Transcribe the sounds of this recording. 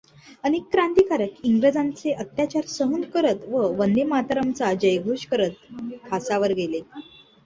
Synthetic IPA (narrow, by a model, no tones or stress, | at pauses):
ənikːɾant̪ikaɾəkiŋɡɾəd͡zãnt͡seʔət̪jat͡ɕaɾsəɦund̪kəɾət̪ʋəʋənd̪emat̪ɾəmt͡sad͡ʑəjɡʱoɕkəɾət̪̚pʰasaʋəɾɡʱele